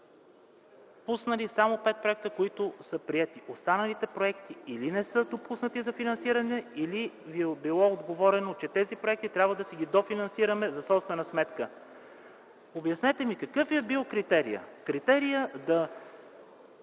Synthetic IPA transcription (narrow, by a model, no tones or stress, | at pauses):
pusnəlisamopɛt̪̚pɾoɛk̚t̪əkoit̪ʊsəpɾiɛt̪iʔost̪anɐlit̪ɛpɾoɛk̚t̪iilinɛsɤd̪opusnət̪izɐfinɐnsiɾɐnɛiliviɛbilˠɔod̪ɡovɔɾɛnot͡ʃɛt̪ɛzipɾoɛkt̪it̪ɾʲabvəd̪ɐsɛɡʲid̪ofinɐnsiɾɐmɛzɐsɔpst̪vɛnɐsmɛt̪kə | objɐsnɛt̪ɛmikɐkɤfiɛbilˠkɾit̪ɛɾḭjə̰kɾit̪ɛɾijəd̪ɐ